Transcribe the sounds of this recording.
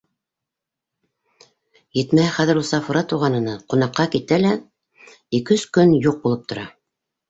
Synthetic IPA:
jɘ̆t̪mæhɘχæðɘ̆ɾusɑfŭɾɑt̪uʁɑnɤ̆nɤqunɑqːɑkit̪ælæ | ikɵskɵnjuq̚bulˠɤp̚t̪ʰŏɾɑ

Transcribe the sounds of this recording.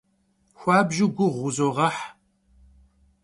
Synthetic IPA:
xʷɑːbʒɪɡʷʊʁʷʊzoːʁɐħ

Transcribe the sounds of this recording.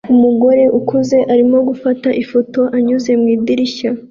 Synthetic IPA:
umuɡo̞ɾe̞ʔukuze̞ʔaɾimo̞ɡufataʔifo̞to̞ʔaɲuze̞mŋiːdiɾiça

